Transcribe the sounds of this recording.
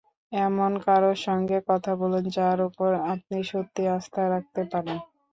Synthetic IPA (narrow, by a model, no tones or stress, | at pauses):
ɛmonkaɾoʃɔŋɡekɔt̪ʰabolend͡ʑaaɾupoɾap̚niʃot̪ːiast̪ʰaɾak̚t̪epaɾen